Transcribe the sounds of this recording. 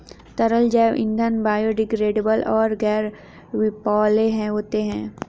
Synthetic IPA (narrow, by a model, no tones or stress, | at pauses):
t̪ɐɾəld͡ʒɛːʋɪ̰̃nd̪ʱənbaːjoɖɪɡɾeːɖebəlɔːɾɡɛːɾ | ʋɪpɔːleɦɛ̃ɦoːt̪eɦɛ̃ː